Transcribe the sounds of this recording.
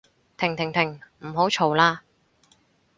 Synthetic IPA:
t̪ʰɪ˨˩ŋt̪ʰɪ˨˩ŋt̪ʰɪ˨˩ŋm̩˨˩ɦo˨˥wt͡ʃʰo˨˩wlaː˧

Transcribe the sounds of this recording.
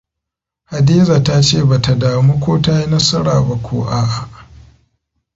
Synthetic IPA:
ha˨diː˦za˨ta˦t͡ʃeː˦˨ba˨ta˨daː˨mu˦kʷoː˦ta˦ji˦nɐ˦sɐ˦ɽaː˨ba˨kʷʰoː˦ʔa˨ʔʔ

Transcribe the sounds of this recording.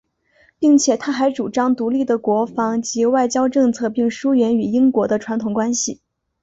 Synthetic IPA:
pi˥˩ŋt͡ɕʰjɛ˨˩t̪ʰa˥xa˧˥ɪʈ͡ʂu˨˩ʈ͡ʂɑ˥ŋt̪u˧˥li˥˩d̪ə˩kwɔ˧˥fɑ˧˥ŋt͡ɕi˧˥wa˥˩ɪt͡ɕjɑ˥ʊʈ͡ʂɤ˥˧ŋt͡sʰɤ˥˧pi˥˩ŋʂu˥ɥɛ˧˥ny˨˩i˥ŋkwɔ˧˥d̪ə˧ʈ͡ʂʰwa˧˥nt̪ʰʊ˨˩ŋkwa˥nɕi˨˩

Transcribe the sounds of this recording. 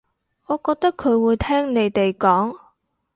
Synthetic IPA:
ɔː˨˧kɔː˧k̚t̪ɐ˥kʰːɵ˨˧ɥwuː˨˧jt̪ʰɛː˥ŋne˨˧jt̪e˨jkɔː˨˥ŋ

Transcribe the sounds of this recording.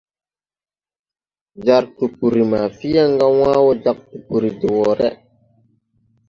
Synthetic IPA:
d͡ʒa˨ɾtu˨pu˨ɾi˨ma˨fi˦ja˦ŋɡa˦waː˦wɔ˦d͡ʒa˦˨k̚tu˨pu˨ɾi˨di˨wɔ˨ɾɛ˦

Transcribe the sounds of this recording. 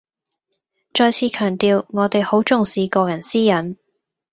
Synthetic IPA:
t͡ʃɔː˧jt͡sʰiː˨˧kʰœː˨˩ŋt̪iː˨˧wŋɔː˨˧t̪e˨jho˨˥wt͡sʊ˨ŋsiː˨˧kɔː˧jɐ˨˩nsiː˥jɐ˨˥n

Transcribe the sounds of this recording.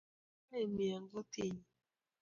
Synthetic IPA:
a˦i˨mi˨a˨ŋ˦ɡɔ˦te˦˨ɲi˨

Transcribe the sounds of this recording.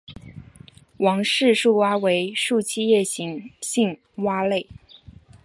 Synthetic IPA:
wɑ˧˥ŋʂɻ̩˥˧ʂu˥˩wa˥we˧˥ɪʂu˥˧t͡ɕʰi˥jɛ˥˩ɕi˧˥ŋɕi˥˩ŋ | wa˥le˥˩ɪ

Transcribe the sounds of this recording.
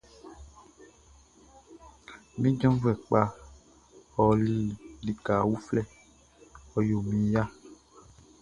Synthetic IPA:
mĩ˦d͡ʒɔ̃˦vu˦ɛ˨k͡pa˦ | ɔ˨li˦di˨ka˨wu˦flɛ˦˨ | ɔ˨jo˨mĩ˨ja˦

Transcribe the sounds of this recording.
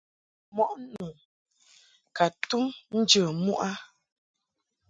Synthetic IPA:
mɔ˨ʔnu˨ | ka˨tu˦mn̩˦d͡ʒə˨mu˦ʔa˦

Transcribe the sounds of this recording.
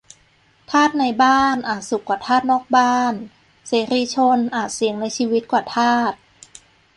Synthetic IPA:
t̪ʰaː˥˩t̪̚na˧jbaː˥˩nʔaː˨˩t̪̚su˨˩kwaː˨˩t̪ʰaː˥˩t̪̚nɔː˥˩k̚baː˥˩n | seː˨˩˦ɾiː˧t͡ɕʰo˧nʔaː˨˩t̪̚si˨˩˦əŋna˧jt͡ɕʰiː˧wi˦˥t̪̚kwaː˨˩t̪ʰaː˥˩t̪̚

